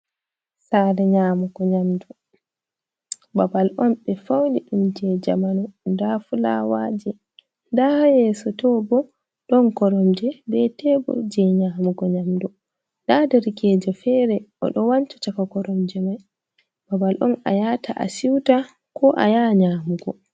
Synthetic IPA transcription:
sadɛɲaːmuɡɔɲamdɔ | babalʔɔmɓɛfawniɗumd͡ʒɛd͡ʒa̰manɔndafula̰waːd͡ʒɛ | ndahjɛsɔtɔbɔ | ɗɔnkɔɾɔmd͡ʒɛbɛtɛbɔ̰d͡ʒɛɲaːmuɡɔɲamdɔ | dadɛɾikɛd͡ʒɔfɛːɾɛɔ̰ɗɔwant͡ʃɔ̥t͡ʃakakɔɾɔmd͡ʒɛmaj | babalʔɔna̰jatʰa̰ʔa̰siwta | kʰɔʔa̰jaɲaːmuɡɔ

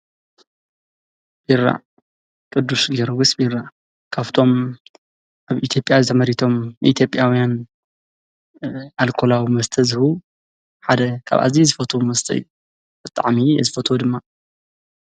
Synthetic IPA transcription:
b̥iɾːa̰ | kʼɨd̪ːusɡeɾwusbiɾa | kʰaβt̪ʰo̞m | ʔaβit̪ʰjo̞pʼjazɨt̪ʰɐmɐɾit̪ʰo̞mʔḭt̪ʰjo̞pʼːjawijan | alkʰo̞lawimɐst̪ʰɐzɨhu | ħad̪ɐkʰa̰βa̰zizɨfɐt̪ʰomɐst̪ʰɐ̰ɨju | b̥ɨt̪ʼːa̰ʕmijɛ̰zɨfɐt̪ʰod̪ɨmːa

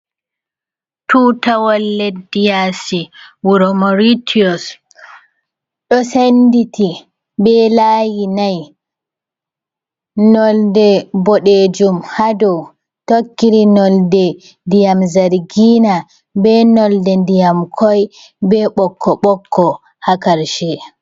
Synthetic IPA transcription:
tuːtawalːɛdijasiwuɾɔmɔɾitʰiɔs | ɗɔsenditi | bɛlaːjinaj | nɔldɛbɔɗed͡ʒumhadɔw | tokːiɾinɔldɛ | ndijamzaɾɡina | bɛnɔldɛndijamkʰɔj | bɛɓɔkːɔɓɔkʰːɔ | hakaɾʃɛ

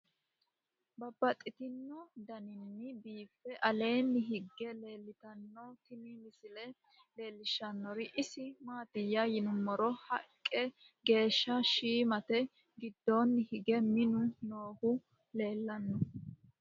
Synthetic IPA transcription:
bɐbːɐt̪ʼːɪt̪ɪnːɔd̪ɐnɪnːɪbiːfːɛʔɐle̞ːnːɪɦɪɡːɛleːlːɪt̪ɐnːɔt̪ɪmimɪsɪlɛ | le̞ːlːɪʃːɐnːɔɾɪʔɪsɪmaːt̪ɪjːajɪnʊmːɔɾɔhɐkʼːɛ | ɡe̞ːʃːɐʃiːmɐt̪ɛ | ɡɪd̪ːoːnːɪhɪɡɛmɪnʊnoːhʊ | le̞ːlːɐnːɔ

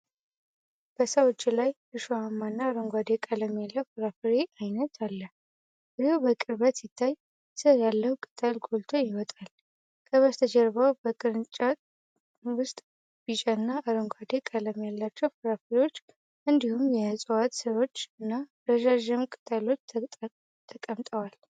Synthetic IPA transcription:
b̥əsəwɔt͡ʃːilaj | ɨʃohamːanːaːɾəŋɡʷad̪ekʼələmjalːəufɨɾafɨɾeʔajnət̪ʰalːə | bɨɾhobəkʼɨɾβət̪sit̪ʰːaj | sɨjalːəhukʼɨt̪ʼəlɡo̞lt̪ʰojɪwɔt̪ʼal | kʼʰəβəst̪ʰəd͡ʒɛɾbəwbəkʼɨɾt͡ʃʼa | wʊst̪ʼ | b̥it͡ʃʼanːaʔːɾəŋɡʷad̪ekʼələmjalːat͡ʃːɛwfɨɾafɨɾiwo̞t͡ʃː | ʔɨnd̪ihumjɛɨsʼəwat̪səwo̞t͡ʃːɨnːa | ɾəʒaʒɪmkʼɨt̪ʼalo̞t͡ʃ̪ːʰ | t̪ʰəkʼəmt̪ʼəwal

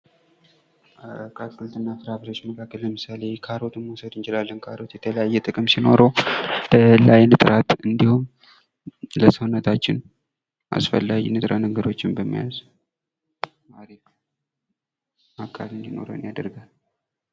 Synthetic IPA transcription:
kʰakʼːɨlt̪ɨnːafɨɾafɾo̞t͡ʃːməkʰakːəlləmɨsale̞kʰaɾo̞t̪ɨmosəd̪ɨnt͡ʃɪlalːənkʰaɾo̞t̪jɛt̪ʰələjajːɛt̪ʼɨkʼɨmsino̞ɾot̪ʰəlːajnɨt̪ʼɾat̪ɨnd̪ihum | ləsəhnət̪ʰat͡ʃːɪn | ʔa̰sfə̰lːajnɨt̪ʼɾʔanəɡəɾo̞t͡ʃːɪmbəmːija̰z | maɾef | akʰʼːa̰lɨnd̪ino̞̰ɾə̰ɨnjad̪əɾɡal

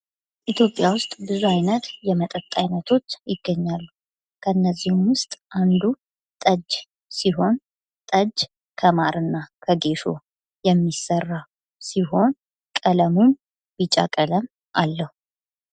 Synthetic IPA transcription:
ʔit̪ʰjopʼjawʊst̪ʼbɨzuajnət̪jɛmət̪ʼət̪ʼːajnət̪ʰo̞t͡ʃːjɪɡːəɲːalːu | kʰəɨnːəzːihumwʊst̪ʼʔand̪u | t̪ʼəd͡ʒː | siɦo̞n | t̪ʼəd͡ʒ | kʰəmaɾɨnːakʰəɡe̞ʃo̞̰ | jɛmːisərːaw | siɦo̞n | kʼələmun | bit͡ʃʼa̰kʼələm | ʔalːəhu

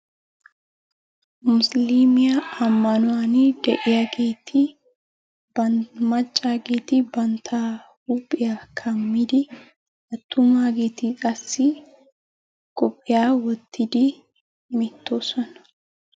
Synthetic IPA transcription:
mʊsliːmɪjɐɐmːɐnʊwanɪd̪ɛʔɪjɐɡeːt̪ʰɪ | bɐmɐt͡ʃʼːaːɡeːt̪ɪbɐnt̪ʰaː | ɾuːpʼːɪjakʰɐmːɪd̪ɪ | ɐt̪ːʊmaːɡeːt̪ikʼɐsːɪ | kʼɔpʼːɪjaːwɔt̪ʰːɪd̪i | mɪt̪ːoːsɔn

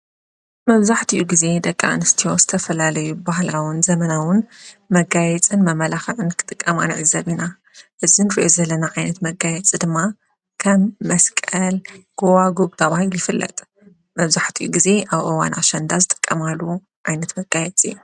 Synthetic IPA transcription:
mɐβzaħt̪ʰiʔuɡize̞d̪ɐkʼːa̰nɨst̪ʰioz̥ɨt̪ʰɐfɐlalɐjubahlawʊnzɐmɐnawʊnmɐɡajɛt͡sʼɨnmɐmɐlaxɨʕɨnkʰɨ̥t̪ʼɨkʼːɐmanɨʕɨzɐβina | ʔɨzinɨɾḭʔozɐlːɐnaʕajnɐt̪mɐɡajɛt͡sʼid̪ɨmːa | kʰɐmːɐskʼɐlɡ̥owaɡobt̪ʰɐβahɨljɪfɨlːɐ̰t̪ʼ | mɐβzaħt̪ʰijuɡize̞ʔaβʔɨwa̰nʔa̰ʃɐnd̪azɨt̪ʼɨ̥kʼːɐmalːu | ʕajnɐt̪mɐɡajɛt͡sʼḭ

